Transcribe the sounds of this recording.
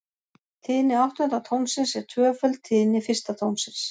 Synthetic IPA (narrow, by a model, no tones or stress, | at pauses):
t̪ʰɪːnɪawht̪ʏnt̪at̪ʰowmsɪnsɛɾ̥t̪ʰvœːfœlt̪ʰɪːnɪfɪrst̪at̪ʰownsɪns